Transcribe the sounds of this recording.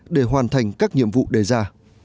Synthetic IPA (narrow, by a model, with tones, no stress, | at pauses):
ɗe˧˩ɦwaː˨˩nt̪ʰa˨˩jŋ̟kaː˦˥k̚ɲḭ˧˨əmvṵ˧˨ɗe˧˩zaː˧